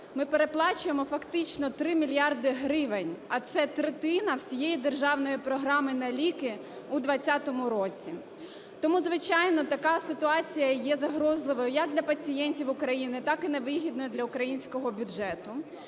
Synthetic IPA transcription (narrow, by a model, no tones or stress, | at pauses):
mɪpeɾeplˠɑt͡ʃʊjemɔfɐkt̪ɪt͡ʃnɔt̪ɾɪmʲilʲjɑrd̪ɪɦɾɪʋenʲɐt̪sɛt̪ɾet̪ɪnɐwsʲijejid̪erʒɑwnɔjipɾɔɦɾɑmɪnɐlʲikɪ | ud̪ʋɐt͡sʲːat̪ɔmʊɾɔt͡sʲi | t̪ɔmuzʋɪt͡ʃɑjnɔt̪ɐkɑsɪt̪ʊɑt͡sʲijɐjɛzɐɦɾɔzlˠɪʋɔjʊjɐk̚d̪lʲɐpɐt͡sʲijɛnʲtʲiwʊkɾɐjinɪt̪ɑkɪneʋɪɦʲid̪̚nɔjʊd̪lʲɐʊkɾɐjinʲsʲkɔɦɔbʲʊʒɛt̪ʊ